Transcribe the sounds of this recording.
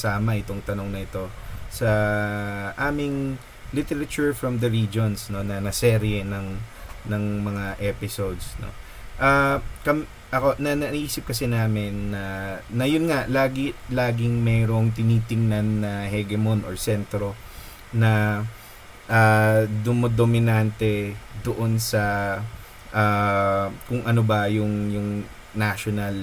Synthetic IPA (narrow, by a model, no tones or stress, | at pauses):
saːmɐʔɪt̪o̞ŋt̪ɐno̞ŋnɐʔɪt̪o̞sɐ | ʔaːmɪŋ | lɪt̪ɛɾɐt͡ʃuɹfɹɐmd̪ɐɹiːd͡ʒonsno̞nɐnɐsɛːɾiɛnɐŋnɐŋmɐŋaʔɛpɪsowd̪sno̰ | ʔɐkɐm | ʔɐko̞nɐnɐʔʔiːsɪp̚kɐsɛnaːmɪnːɐnɐjʊnŋalaːɡɪlaːɡɪŋmɛːɾo̞ŋt̪ɪniːt̪ɪŋnɐnːɐhɛɡɛmo̞nʔoɹsɛnt̪ɾo̞ | nɐ | ʔad̪ʊmod̪omɪnant̪ɛd̪oʔo̞nsɐ | ʔaːkʊŋʔɐnobɐjʊŋjʊŋ | naʃonɐl